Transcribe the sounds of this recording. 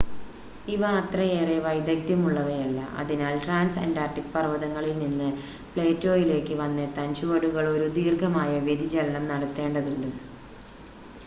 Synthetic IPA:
iʋɐːt̪rɐjeːreʋɐjd̪ɐk̚t̪jɐmuɭːɐʋɐɾjɐlːɐ̰ʔɐ̰ðinaːlʈraːnsɐ̰ndaːrʈikːpɐrʋɐðɐŋːɐɭilninːɨ | pɭeːtːoːjile̞ːkːɨʋɐnːet̪ɐnɕuʋɐɽuɣɐɭo̞ɾud̪iːrɡʱɐmaːjɐʋjed̪id͡ʑɐlɐɳɐmnɐɽɐt̪ːe̞ːɳɖɐðuɳːu

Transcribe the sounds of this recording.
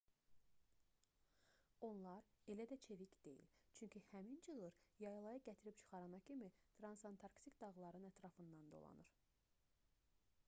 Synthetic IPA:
o̞nlˠɑɾe̞læd̪æt͡ʃʰe̞vicd̪̥e̞̰jḭlt͡ʃʰyɲcʰihæmind͡ʒɯlˠɯɾjɑjlˠɑjɑɟæt̪ʰiɾip̚t͡ʃʰɯ̥χɑɾɑnɑcʰimit̪ʰɾɑnsɑnt̪ʰɑɾkt̪ikd̪ɑɣlˠɑɾɯnæt̪ʰɾɑfɯnd̪ɑnd̪o̞̰lˠɑ̰nɯɾ

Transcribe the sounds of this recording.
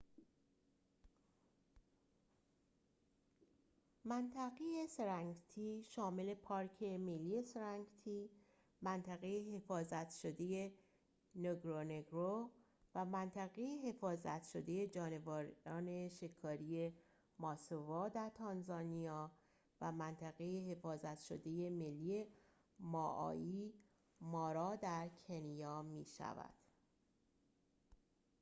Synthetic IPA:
mænt̪ʰæɣeje̞seɾæŋɡt̪ʰiːʃɒːme̞le̞pʰɒːɾcʰe̞melːiːe̞seɾæŋɡt̪ʰiː | mænt̪ʰæɣejeɦe̞fɒːzæt̪ʃo̞d̪e̞je̞ | noɡɾoneɡɾo | væmænt̪ʰæɣe̞jehe̞fɒːzæ̰t̪ʃo̞d̪e̞je̞d͡ʒɒːne̞vɒːɾɒːne̞ʃe̞kʰːɒːɾije̞ | mɒːsovɒːd̪æɾt̪ʰɒnzɒːnijɒː | væmænt̪ʰæɣe̞jehe̞fɒːzæt̪ʃo̰d̪e̞je̞me̞lːije̞ | mɒːʔɒ̰ːi | mɒːɾɒːd̪æɾcʰe̞nijɒːmiːʃæ̰væ̰d̪̥

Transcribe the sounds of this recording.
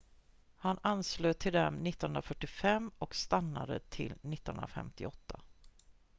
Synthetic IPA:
hanansløːt̪ʰɪld̪ɛmnɪt̪ːnɵnɾafœʈːɪfɛmːɔkst̪anːad̪ə̰t̪ʰɪlnɪt̪ːnɦɵ̰nɾa̰fɛ̰mt̪ɪɔt̪ʰːa

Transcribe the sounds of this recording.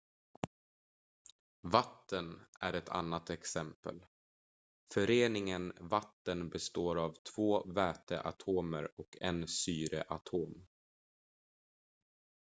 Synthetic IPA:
vat̪ʰːənæɾɛt̪ʰa̰nːat̪ɛksɛmpə̰l | fœɾeːnɪŋənvat̪ːənbɛst̪oːɾavt̪ʰv̥oːvɛːt̪əʔa̰t̪ʰoːməɾɔkʰɛnsyːɾə̰ʔat̪ʰoːm

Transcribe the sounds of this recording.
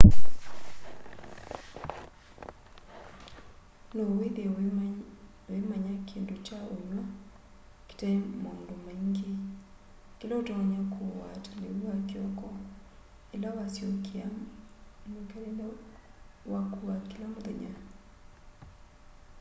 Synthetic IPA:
noweðe | wemaɲakendot͡ʃaoɲwa | ki̥tɛmandomaŋɡe | kilaotaɔɲakʰowatalewuwakjɔkɔ | elawasjokea | mukɛɾɛlɛ | wakuwakilamoðɛ̰ɲa

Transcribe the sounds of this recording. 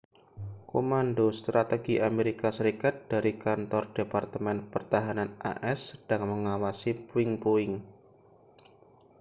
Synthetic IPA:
komandost̪ɾat̪eɡ̥iʔameɾikasəɾikat̪̚d̥aɾikant̪ɔrd̥epart̪əmɛnpərt̪aɦananʔa̰ʔɛsːəd̥aŋməŋawasipuɪŋpoɪŋ

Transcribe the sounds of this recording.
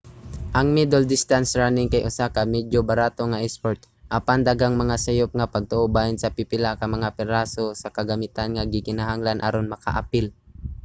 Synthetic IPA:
ʔɐŋmid̪ɛld̪ɪst̪ansɹanɪŋkajʔʊsakamɛd͡ʒjobɐɾaːt̪o̞ŋaʔɛspoɹt̪ | ʔapand̪aɡaŋmɐŋasɐjop̚ŋɐpɐɡ̚t̪oʔobajɪnsɐpɪpɪlakɐmɐŋapɛɾasosɐkɐɡɐmɪt̪anŋaɡɪkɪnaɦaŋlanʔaɾonmɐka̰ʔapɪl

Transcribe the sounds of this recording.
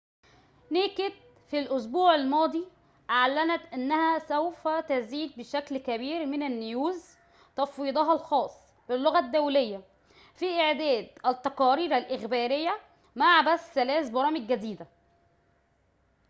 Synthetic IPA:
neːket̪̚ | filʔʊs̬buːʕælmɑːd̪ˤi | ʔaʕlænæt̪ʔænːæhæsæwfæt̪æziːd̪̚bɪʃæklkæbiːɾmɪnænːʊjuːz | t̪ɑfwiːd̪ˤɑɦɑlxɑːsˤː | b̥ɪlːoɣæd̪ːæwlejːæ | fiʔeʕd̪æːd̪ʔæt̪ːɑqɑːɾiːɾælʔɪxbæːɾejːæ | maʕbæsːælæːsbɑɾˤɑːmɪɡːæd̪iːd̪æ

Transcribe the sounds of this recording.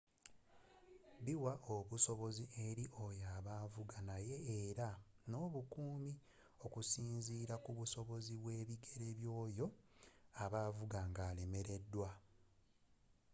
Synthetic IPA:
βiwaʔoβuso̞βo̞ziʔe̞ɾiʔo̞jaβaːvuɡanaje̞ːɾa | no̞ːβukuːmi | o̞kusiːnziːɾakuβuso̞βo̞ziβwe̞ːβiɡe̞ɾe̞βjo̞ːjo̞aβaːvuɡaŋɡaːle̞me̞ɾe̞dːwa

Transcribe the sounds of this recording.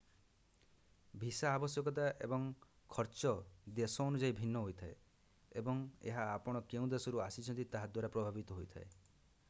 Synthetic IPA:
bʱisaːbɔsjɔkɔt̪̬aʔebɔŋ | kʰɔɾt͡ʃɔd̪esɔːnud͡ʒaibʱinːɔɦojt̪ʰae | ebɔŋḛɦaːpɔɽ̃ɔkeũd̪esɔɾuasit͡ʃʰɔ̃nt̪it̪aɦad̪waɾapɾɔbʱabit̪ɔɦojt̪ʰaḛ

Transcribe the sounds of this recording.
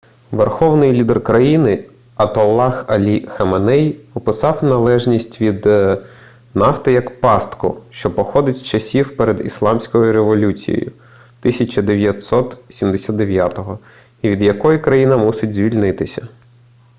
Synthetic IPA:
ʋerxɔwnɪjlʲid̪erkɾɐjinɪ | ɐt̪ɔlˠːɑxɐlʲixɐmɐnɛjɔpɪsɑwnɐlˠɛʒnʲisʲtʲʋʲid̪ | nɑft̪ɪjɐkpɑst̪kɔ̰ʃt͡ʃɔpɔxɔd̪ɪtʲst͡ʃɐsʲiwpeɾed̪ḭslˠɑmsʲkɔjʊɾeʋɔlʲut͡sʲḭjḛjʊ̰ | t̪ɪsʲɐt͡ʃɐd̪eʋʲjɐt̪sɔt̪sʲimd̪esʲad̪d̪eʋʲjat̪ɔɦɔ | iʋʲid̪jɐkɔjikɾɐjinɐmusɪtʲzʲʋʲilʲnɪt̪ɪsʲɐ

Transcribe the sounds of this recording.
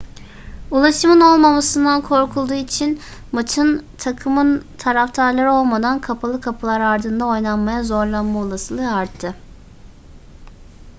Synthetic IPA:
ulˠaʃɯmɯno̞lˠmamasɯnd̪ankʰo̞ɾkʰulˠd̪uːit͡ʃʰinmat͡ʃ̪ʰɯnt̪ʰakʰɯmɯnt̪ʰaɾaft̪ʰaɾlˠaɾo̞lˠmad̪ankʰapʰalˠɯkʰapʰɯlˠaɾaɾd̪ɯnd̪ao̞jnˠanmajazo̞ɾlˠanmaolˠasɯlˠɯaɾt̪ʰːɯ

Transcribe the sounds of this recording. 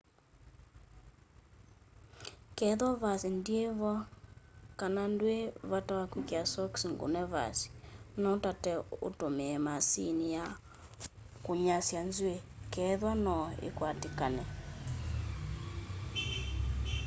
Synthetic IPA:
kɛðwavasindieβɔ | kanandweβatawakwikjasɔksiŋɡo̰nɛva̰si̥nɔtatɛo̰tomɛmasinija | koɲasjanzwekɛðwanɔḛkwatekanɛ

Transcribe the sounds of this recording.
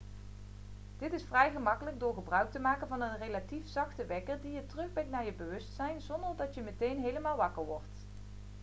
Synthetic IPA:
d̥ɪtɪsfrɛjχəmɑkələɡ̚dʊːɹχəbrœɥk̚təmaːkənvɑnənrejlatifsɑχtəʋɛkəɹdijətərɵχbɛŋknaːɹjəbəʋɵstsɛjnzɔndəɹdɑtjəmətejnɦejləmaːlˠʋɑkəɹʋɔɹt

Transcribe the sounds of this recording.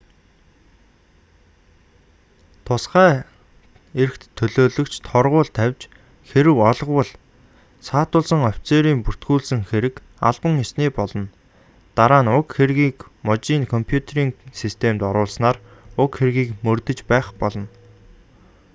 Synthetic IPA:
t̪ʰʊsχæː | eɾɘ̆kt̪ʰːɵɮoːɮɵ̆kt͡ɕt̪ʰɔrʁʊːɮt̪ʰæwʲt͡ɕ | xeɾɘ̆wɔɮʁwə̆ɮ | saːt̪ʊːɮsə̆ŋɔwʲt͡seːɾiːmpur̥t̪ɡuːɮsɘ̆ŋxeɾɘ̆k | aɮpə̆ŋasniːpɔɮɞ̆n | t̪aɾaːnʊkxeɾɣiːkmɔt͡ɕiːnkʰɔmpʰjut̪ʰeɾiːŋsist̪ʰemt̪ɔɾʊːɮsnaːrʊkxerɣiːkmɵrt̪ɵ̆t͡ɕpæːχpɔɮɞ̆n

